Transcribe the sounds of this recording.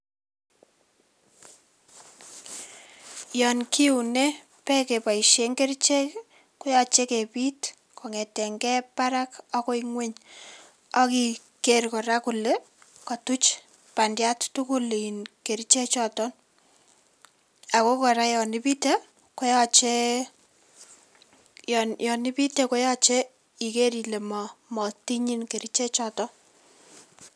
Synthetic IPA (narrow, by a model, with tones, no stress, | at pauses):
jɔ˨nki˦u˨ne˦ | pɛ˦ke˨pa˨i˨ʃe˦ŋɡe˦ɾt͡ʃe˦ | kʊ˦jɔ˦t͡ʃe˦ke˨pi˦t | kʰɔ˨ŋe˨tɛ˨ŋɡɛ˦pa˦ɾa˦kɔko˦iŋwe˦ɲ | ɔ˦ki˦ | kerkɔ˨ɾa˦ku˨le˦ | kɔ˨tu˦t͡ʃ | pa˨ndja˦ttu˦ku˦li˨nke˨ɾi˦t͡ʃe˦t͡ʃɔtɔ˦n | a˨ko˦kɔ˨ɾa˦jɔ˨ni˦pi˦te˦ | ko˦jɔt͡ʃe˦ | jnjɔ˨ni˦pi˦teko˦jɔ˦t͡ʃe˦ | i˨ke˦ɾile˨mɔ˨mɔ˨ti˦ɲi˦nke˨ɾi˦t͡ʃe˦t͡ʃɔtɔ˦